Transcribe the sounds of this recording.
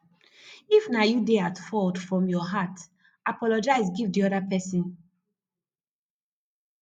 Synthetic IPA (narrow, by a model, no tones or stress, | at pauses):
ifnajudeatfɔtfɹɔ̃mjɔɦat | apɔlɔd͡ʒaɪs̬ɡivdiɔdapɛsĩn